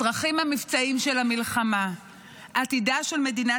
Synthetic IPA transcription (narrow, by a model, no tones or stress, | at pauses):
ʁaχimhamift͡saimʃelamilχama | at̪idaʃe̞lme̞dina